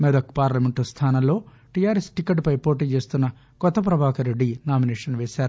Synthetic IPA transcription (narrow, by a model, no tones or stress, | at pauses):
mɛd̪ɐkpaːɾlɐmeɳʈust̪ʰaːnɐmlo̞ː | ʈijaːɾesʈikːɐʈpɐjpo̞ːʈiːt͡ʃe̞ːst̪unːɐ | kɔt̪ːɐp̬ɾɐbʱaːkɐɾe̞ɖːinaːminɛːʂɐnʋeːʃaːɾu